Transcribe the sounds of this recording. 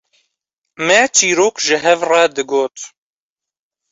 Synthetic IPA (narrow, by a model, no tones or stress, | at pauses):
mɛt͡ʃʰiːɾoːkʒɨɦɛvrɑd̪ɨɡoːt̪